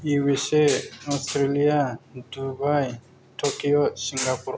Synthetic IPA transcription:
iweseɔstɾelijadubaj | tʰokiɔsiŋɡapuɾ

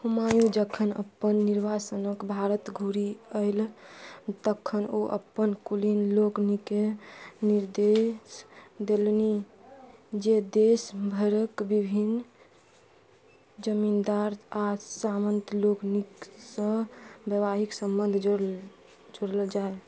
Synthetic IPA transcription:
humajud͡ʒəkʰənə̰pːənːiɾbʱasənəkbʱaɾət̪ɡʱuɾiəɪl | t̪əkʰːənoʔə̰pːənkulinloknikeniɾd̪esd̪elni | d͡ʒed̪esbʱəɾəkbibʱin | d͡ʒəmind̪aɾasamənt̪lokniksə̃bjəβaɦiksə̃mbənd̪ʱd͡ʒ | d͡ʒoɽəld͡ʒae

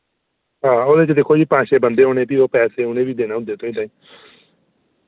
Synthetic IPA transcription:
ɦãːoːd̪eːt͡ʃd̪eːkʰːoːd͡ʒiːpãːʃeːbənd̪eːɦoːneːp̪iːoːpɛːseːʊnẽːʋiːd̪eːnaːɦʊd̪ːeːt̪õːĩːd̪aːĩː

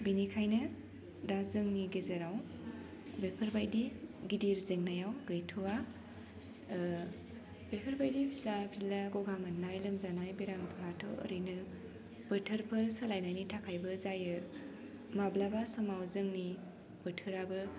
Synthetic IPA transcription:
binikʰajnɯ | dazɯŋniɡezɐɾaw | bepʰəɾbajdiɡidiɾzeŋnajawɡɯjtʰɔwa | bepʰəɾbajdipʰisabʰilaɡɔɡamɯnːajlɯmzanajbeɾamtʰɔŋatʰɔʔːɾɯjnɯ | b̥ɯtʰɯɾpʰɯɾsalajnajnitʰakʰajbɯzajɯ | mablabasɔmawzɯŋni | b̥ɯtʰɯɾabɯ

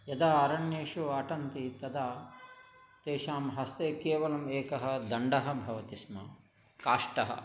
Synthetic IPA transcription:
jɐd̪aːɐɾɐɳjeːʂuɐʈɐnt̪it̪ɐd̪aː | t̪eːʃaːmɦɐst̪eːkeːʋɐlɐmeːkɐɦɐ̆d̪ɐɳɖɐɦɐ̆bʱɐʋɐt̪ismɐ | kaːʂʈɐɦɐ̰

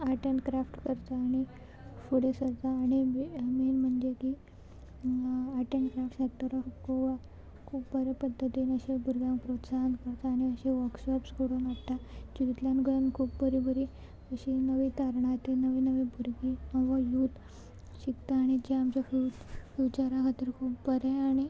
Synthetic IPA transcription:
aʈeɳʈkɾafʈkəɾt̪aːɽ̃i | fuɽesəɾt̪aːɽ̃iminm̤əɳd͡ʑeki | aʈeɳʈkɾafʈsat̪ːəɾəfkoʋa | kʰuːpbəɾepəd̪ʱːət̪inəɕebʱuɾɡjãŋkpɾot̪saɦənd̪kəɾt̪aːɽ̃iəɕeʋəɾkɕɔpskuɽomaɽt̪at͡ɕiɾit̪ljãnɡəɾənkʰuːpbəɾibʱəɾi | əɕinəʋit̪aɾɳat̪enəʋinəʋibʱuɾɡiə̃ʋajut̪ | ɕikt̪aːɽ̃id͡ʑeamt͡ɕjaffit͡ɕaɾakʰat̪iːɾkʰuːpbəɾeaɽ̃i

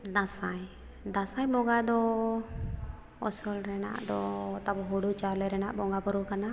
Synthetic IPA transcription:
d̪asaj | d̪asajbɔɡad̪ɔ | ɔsɔlɾɛna̰ʔd̪ɔt̪abɔɦuɽut͡ʃalɛɾɛnaʔbɔŋɡabɔɾukana

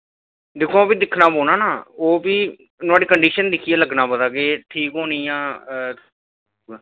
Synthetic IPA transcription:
d̪ɪkʰoːoːbiːd̪ɪkʰnaːboːnaːnaːoːbiː | nʊaːɖiːkəɳɖiːʃənd̪ɪkʰijaːləɡnãːpəd̪aːkeːʈʰiːkɦoːnĩːjãː

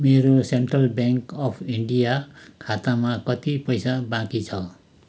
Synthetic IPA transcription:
meɾoseɳʈrʌlbjaŋkʌpʰiɳɖijakʰat̪amakʌt̪ipʌjsabãkit͡sʰʌ

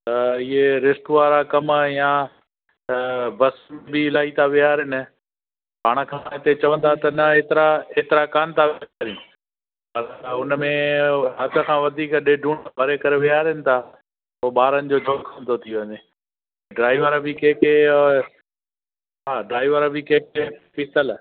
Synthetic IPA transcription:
t̪ɐɪɦeɾɪst̪ʋaːɾakɐmjãː | bɐsmbiɪlaːɦit̪ʰaʋɪjaːɾɦɪnɪ̆ | paːɽ̃ə̆kʰãːɪt̪et͡ɕɐʋə̃nd̪at̪ɐnɐeːt̪ɪɾaeːt̪ɪɾakaːnt̪ʰaʋɾjĩ | pɐɾʊnmẽɦɐd̪ə̆kʰãːʋɐd̪ʱiːkɗeɖʱũːɽbʱɐɾekɐɾeʋɪjaːɾɪnɪ̆t̪ʰaː | oːɓaːɾənɪ̆d͡ʑoːd͡ʑʱoːɡkʰɐnd̪ot̪ʰijoʋəɲeː | ɖɾaːɪʋəɾbɪkẽːke | ɦaːɖɾaːɪʋəɾbʱikẽːkepɪt̪əl

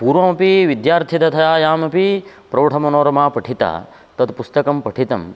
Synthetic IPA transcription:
puːɾʋɐmɐpiʋid̪jaːɾt̪ʰit̪ɐt̪ʰɐjaːjaːmɐpi | pɾɐːʈʰɐmɐnoːɾɐmaːpɐʈʰit̪a̰ː | t̪ɐt̪pust̪ɐkɐmpɐʈʰit̪ɐm

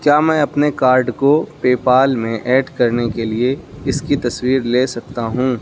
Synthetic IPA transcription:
kjaːmɛ̃ːɐpnekaːɾɖkopeːpaːlmẽʔɛːɖkɐɾnekelieɪskit̪ɐswiːɾleːsɐk̚t̪aɦũː

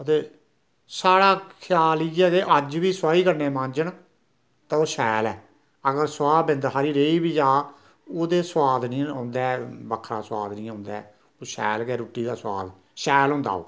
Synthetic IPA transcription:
ət̪eː | saːɽaːkʰɪjaːliɛːɡeːʔəd͡ʒʋiːswaːiːkəɾneːmãːɲd͡ʒəɳ | t̪ãːoːʃɛːlɛː | əɡəɾswaːbɪ̃nd̪ɦaːɾiːɾeːiːbiːd͡ʒaː | oːd̪eːswaːd̪nĩːãːnd̪ɛːbəkʰɾaːsʊwaːd̪nĩːãːnd̪aː | oːʃɛ̰ːlkɛːɾuːʈːiːd̪aːsʊwa̰ːd̪ | ʃɛːlɦõːnd̪a̰ːo̰ː

